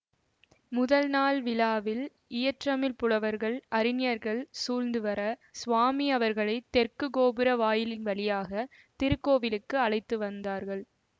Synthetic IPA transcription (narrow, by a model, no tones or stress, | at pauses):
mʊðɐlnaːlʋɪlaːʋɪl | ɪjɐʈrɐmɪlpʊɽɐʋɐɾɣɐɭɐɾɪnɪjɐɾɣɐɭsuːlnd̪ɯʋɐɾɐsʋaːmiɐʋɐɾɣɐɭɐɪt̪ːɛɾkɯɡoːbɯɾɐʋaːjɪlɪnʋɐɭɪjaːɣɐ | t̪ɪɾɯkːoːʋɪlɯkːɯɐlɐɪt̪ːɯʋɐnd̪aːɾɣɐɭ